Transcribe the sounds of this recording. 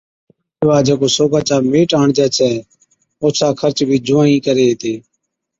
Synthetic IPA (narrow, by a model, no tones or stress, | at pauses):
ʋaːd͡ʒeːkoːsoːɡaːt͡ʃaːmeːʈaːɳd͡ʒɛːt͡ʃʰɛː | oːsaːkʰəɾt͡ʃbʱiːd͡ʒʊãːĩːkəɾeːeːt̪eː